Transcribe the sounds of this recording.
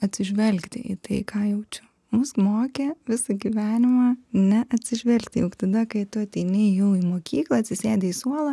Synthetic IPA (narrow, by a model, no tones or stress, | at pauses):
ɐt̪ʲsʲɪʒʲʋʲɛlʲkt̪ʲɪ̰ʔḭt̪ɐɪkʰɑːjɛʊt͡ʃʲʊ | mʊsmoːkʲeʋʲɪsɐɡʲiʋʲæːnʲɪmɑːnʲɛʔɐt̪ʲsʲɪʒʲʋʲɛlʲkt̪ʲɪjʊkt̪ɐd̪ɐkɐɪt̪ʊɐt̪ʲɛɪnʲeːjjɛʊiːmoːkʲʰiːklˠɐɐtʲsʲɪsʲeːd̪ʲɛiːsuɔlˠɐ